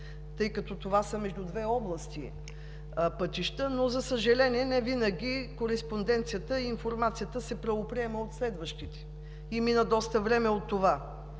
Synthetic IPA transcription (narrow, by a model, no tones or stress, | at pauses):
t̪ɤjkɐt̪ɔt̪ovasəmɛʒd̪ud̪vɛɔblˠəst̪ḭ | pɤt̪iʃt̪ənozɐsəʒɐlɛniɛnɛvinəɡʲikoɾɛspond̪ɛnt̪sijət̪əiːnfoɾmat̪sijət̪əsɛpɾɐvopɾiɛməot̪slɛd̪vəʃt̪it̪ɛ̥ | iminəd̪ɔst̪əvɾɛmɛot̪ːova